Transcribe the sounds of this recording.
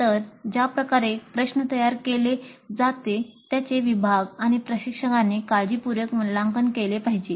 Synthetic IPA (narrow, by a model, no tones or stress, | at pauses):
t̪əɾd͡ʑapɾəkaɾepɾəɕnət̪əjaɾkeled͡zat̪et̪jat͡seʋibʱaɡaɽ̃ipɾəɕikʂəkanːekad͡ʑiːpuɾjəkməlaŋɡənkelepaɦid͡ʑe